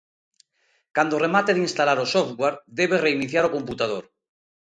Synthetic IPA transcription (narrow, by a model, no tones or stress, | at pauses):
kand̪oremat̪eðinst̪alaɾosoft̪ɣwaɾd̪eβ̞ere̞iniθjaɾoko̞mput̪að̞oɾ